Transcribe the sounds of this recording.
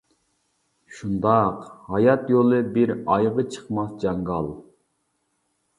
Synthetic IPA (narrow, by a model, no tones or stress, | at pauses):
ʃund̪ɑqhɑjɑt̪jolˠɨbɪɾɑjʁət͡ʃʰə̥qmɑsd͡ʒɑŋɡɑlˠ